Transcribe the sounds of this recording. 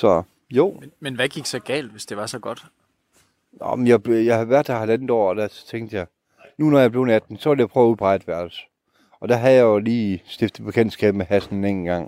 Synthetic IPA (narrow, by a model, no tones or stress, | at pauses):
sɒ̽ | jo̝̰ːmenʋæɡ̥iɡ̥sɒɡ̥ɛ̰ːld̥ʋe̝sd̥e̝ʋɑ̈sɒ̽ɡ̥ɒ̽d̥ | nɒ̰menjɑ̈bjɑɪhɑʋæɐ̰d̥æhælænð̩ˠɒ̰ːɒd̥æt͡sʰeŋ̰d̥əjɑ̈ɪ | nunɒjɑ̈b̥le̝ʊnæd̥n̩sɒʋljɑ̈pʰʁœʊɐuðˠb̥ʁɑ̈ɪd̥ʋæɐ̰l̥s | ɒ̽d̥æɦæjɑ̈oliːsd̥efd̥ð̩ˠpʰekʰend̥sɡ̥ɛ̰ːb̥meɦæsn̩nen̩ɡ̥ɑ̈ŋ̰